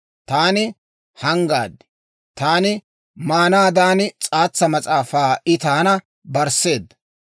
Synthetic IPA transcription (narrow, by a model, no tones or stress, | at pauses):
t̪aːnɪ | hɐŋɡa̰ːd̪ɪ̥ | t̪aːnɪ | maːnaːd̪aːnɪt͡sʼaːt͡sːɐmɐt͡sʼaːfaːɪt̪aːnɐ | bɐɾse̞ːd̪ːɐ